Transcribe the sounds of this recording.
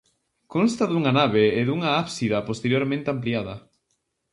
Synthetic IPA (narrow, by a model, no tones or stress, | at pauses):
konst̪aðuŋɐnaβ̞eeðuŋɐapsiðɐpost̪eɾjoɾmẽnt̪eampliaðɐ